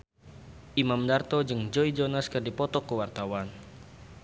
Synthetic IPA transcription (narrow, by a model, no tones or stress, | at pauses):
ʔimamdart̪ɔd͡ʒɨŋd͡ʒɔid͡ʒɔnaskɨrdipɔt̪ɔkːəwart̪awan